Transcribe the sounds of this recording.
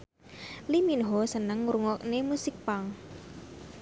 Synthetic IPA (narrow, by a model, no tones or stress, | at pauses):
liminɦɔsənəŋːuɾuŋɔk̚nemusɪk̚paŋ